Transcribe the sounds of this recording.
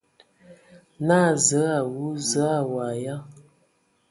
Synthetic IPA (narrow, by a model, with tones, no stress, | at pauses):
na˦˨zə˨˦a˨wu˦zə˨˦a˨wa˨ja˦